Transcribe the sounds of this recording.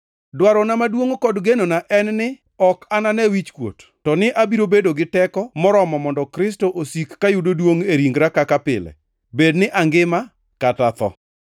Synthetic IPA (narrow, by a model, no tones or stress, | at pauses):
dwaɾɔnamadwoŋokɔdɡenonaʔɛnnɪ | ɔkananɛwit͡ʃkwo̰t | tɔnɪʔabiɾobedoɡɪtɛkɔmɔɾɔmɔmɔndɔkɾɪs̬toʔosikːajudodwoŋeɾiŋɡɾakakapɪ̰lɛ̰ | bednɪʔaŋɡɪma | katat̪ɔ̰